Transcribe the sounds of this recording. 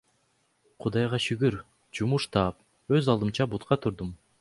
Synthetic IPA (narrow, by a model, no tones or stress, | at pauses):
qʰud̪ɑjʁɑʃyɡyɾ | d͡ʒumuʃt̪ʰɑːp̚ | øzɑlˠd̪ɯmt͡ʃɑbut̪qɑt̪ʰuɾd̪um